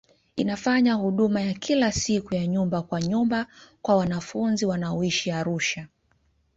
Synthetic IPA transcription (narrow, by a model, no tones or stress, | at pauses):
inafaɲahuɗumajakʰilasikujaɲumbakwaɲumbakwawanafunziwanaɔiʃiaɾuʃa